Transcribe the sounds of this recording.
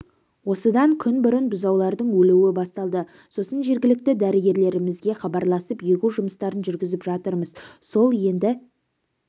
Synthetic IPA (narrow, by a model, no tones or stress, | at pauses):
wo̞səd̪ɑŋkʲʰʏnbʏɾɪnbʊzɑwlˠɑɾd̪əɴwɵluwɪbɑst̪ɑlˠd̪ə | so̞sənʒe̞ɾɡʲɪlɪk̚t̪ɪd̪æɾɪɡʲe̞ɾle̞ɾɪmɪzɡʲe̞χɑbɑɾlˠɑsəpjekʲuʒʊməst̪ɑɾənʒʏɾɡʲɪzɪpʒɑt̪əɾməzso̞lˠje̞nd̪ɪ